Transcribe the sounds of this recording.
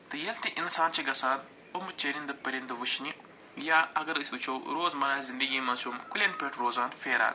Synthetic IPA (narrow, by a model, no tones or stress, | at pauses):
t̪ɨjɐlt̪iʔinsaːnt͡ʃʰɐɡɐsaːn | omɨt͡ʃɐɾind̪ɨpɐɾind̪ɨʋuʃʰni | jaːɐɡɐɾɨsʲut͡ʃʰoːwɾoːzmɐɾaːzind̪əɡʲiːmɐːsumkulʲenpʲeʈʰɾoːzaːnfʲeːɾa̰ːn